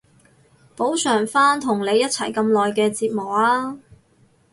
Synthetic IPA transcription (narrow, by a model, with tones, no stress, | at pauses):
po˨˥wsœː˨˩ŋfaː˥nt̪ʰʊ˨˩ŋle˨˧jːɐ˥t̚t͡sʰɐ˨˩jkɐ˧mlɔː˨jkɛː˧t͡siː˧t̚mʊ˨˩k̚aː˧˥